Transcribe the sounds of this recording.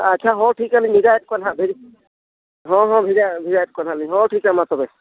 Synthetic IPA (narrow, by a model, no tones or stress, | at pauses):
at͡ʃʰaɦɔʈʰikaliɲbʱidajɛt̚kɔnɦabʱiɾ | ɦɔ̃ɦɔ̃bʱiɾabʱiɾajt̚kɔnaliɲɦɔʈʰikamat̪ɔbɛ